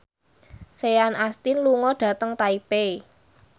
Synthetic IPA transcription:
seanast̪inluŋɔɖ̥a̤t̪əŋt̪aipe

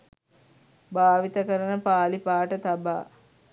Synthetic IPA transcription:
baːʋit̪əkəɾənəpaːlipaːʈət̪aba̰ː

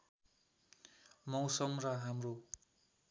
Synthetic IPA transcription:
mʌwsʌmraɦamro

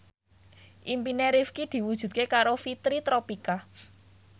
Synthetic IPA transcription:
ʔimpineɾifkid̪̥i̤wud̥ʒ̥ṳdt̪̚kekaɾofit̪ɾit̪ɾopika

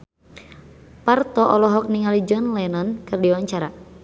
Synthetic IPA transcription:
part̪ɔʔɔlɔɦɔk̚niŋalid͡ʒɔnlɛnɔnkɨrdiwaɲt͡ʃaɾa

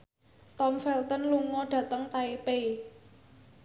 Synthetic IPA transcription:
t̪ɔmfɛlt̪ɔnluŋɔɖ̥ä̤t̪əŋt̪aipe

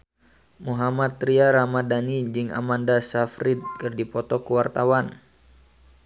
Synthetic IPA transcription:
muɦamat̪ːɾiaɾamadanid͡ʒɨŋa̰mandasafɾɪt̪̚kɨrdipɔt̪ɔkəwart̪awan

